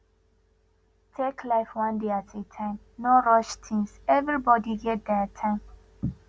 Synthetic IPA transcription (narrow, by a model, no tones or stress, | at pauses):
tʰeklaɪfwãndeatʰetʰãɪ̃m | noɹɔʃtʰĩŋsɛvɹibɔdiɡɛt̚d̪ɛtʰãɪ̃m